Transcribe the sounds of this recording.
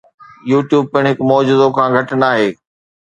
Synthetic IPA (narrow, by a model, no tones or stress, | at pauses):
juːʈjuːb̚pɪɽ̃ɦɪkmɔːd͡ʑuːd̪okʰãːɡʱɐʈnaːɦeː